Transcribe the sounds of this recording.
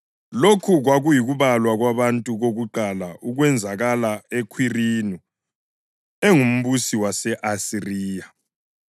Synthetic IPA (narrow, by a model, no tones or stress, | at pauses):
lokʰuɣwaɣujiɣuβalwaɣwaβantʼuɣoɣuǃalaʔuɣwɛnd͡zʱaɣalaekʰwirinu | eŋum̩βusiwasɛʔasiriːja